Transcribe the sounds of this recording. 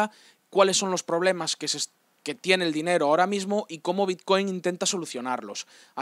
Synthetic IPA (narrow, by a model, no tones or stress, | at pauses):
a | kwalesːo̞nlo̞spɾo̞β̞le̞maskese | ke̞t̪je̞neld̪ine̞ɾoao̞ɾamizmoʔiko̞mo̞β̞it̪̚ko̞jŋint̪e̞nt̪aso̞luθjo̞naɾlo̞s | a